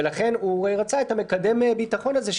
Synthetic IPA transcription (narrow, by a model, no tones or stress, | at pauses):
elaχe̞nueʁat͡saethame̞kade̞mebitaχo̞nazeʃ